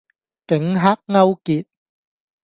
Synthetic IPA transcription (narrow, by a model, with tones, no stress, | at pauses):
kɪ˨˥ŋɦaː˥k̚ŋɐ˥wkiː˨t̚